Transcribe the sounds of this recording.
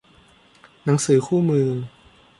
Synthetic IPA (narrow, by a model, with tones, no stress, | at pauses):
na˩˦ŋsɯː˨˩˦kʰuː˥˩mɯː˧